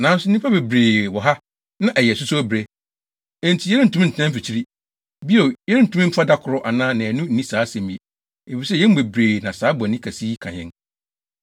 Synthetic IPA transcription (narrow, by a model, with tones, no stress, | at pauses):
nã˨˦n˦sʊ˦n˦ĩ˦pʰa˦be˨bɾeː˨wɔ˨ɦa˦ | nã˦ʔæ˨jɛ˨sʊ˦sʊ˦æ˦bɾe˦ | ɛ̃˨n̩˨tʰi˨˦ɛ˦ɾɪ˦n̩˨tʰũ˦m˦n̩˨tʰnɛ̃˦m̩˦fi˨t͡ɕʰi˦ɾi˦ | bi˦o˨jɛ˦ɾɪ˦n̩˨tʰũ˦m̩˦fʰa˦da˦kʰʊ˨ɾɔ˦ʔa˨nãː˦nã˨æ˨nũ˦n̩˨˦nĩ˦saː˨˦sɛ̃˨mĩ˨e˨ | e˨fi˨sɛ˦jɛ̃˦m˦be˨bɾeː˨nã˨saː˦bʊ˨a˨nĩ˦kʰa˨siː˦kʰã˨ɲɛ̰̃˦n